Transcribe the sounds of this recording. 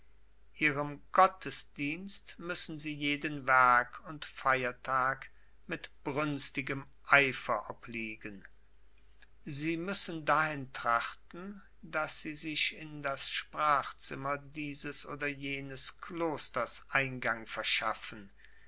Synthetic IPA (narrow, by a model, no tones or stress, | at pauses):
ʔiːʁəmɡ̥ɔtʰəsd̥iːnstmʏsn̩ziːjeːdənvɛɐkʰʊntfaɪɐtʰaːk | mɪtb̥ʁʏnstɪɡəm | ʔaɪfɐʔɔpliːɡən | ziːmʏsən̩daʁɪntʁ̥aχtn̩ | dasz̥iːzɪʃɪndasʃpʁ̥aːχt͡sɪmɐdiːzəsʔoːdɐjeːnəskʰloːstɐsʔaɪnɡaŋfɛɐʃafən̩